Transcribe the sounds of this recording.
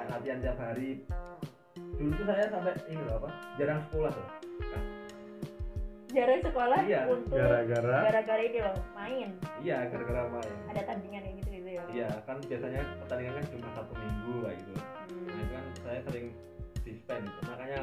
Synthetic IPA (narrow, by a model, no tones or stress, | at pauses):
nat̪iant̪iap̚ɦaɾi | dulut̪usajasampɛʔiniapad͡ʒaɾaŋsəkolaht̪ʊka | d͡ʒaɾaŋsəkolahijaunt̪ʊɡaɾaɡaɾaɡaɾaɡaɾainilamaɪnijaɡaɾaɡaɾamaɪnadat̪andiŋanaɡit̪uɡit̪ujaijakanbiasaɲat̪andiŋankant͡ʃumasat̪umiŋɡulaɡit̪u | anikansajasəlɪŋ | sist̪anit̪umakaɲa